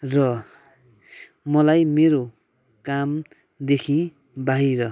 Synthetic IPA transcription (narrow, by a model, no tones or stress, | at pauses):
rʌ | mʌlajmeɾo | kam | d̪ekʰĩ | baɦiɾʌ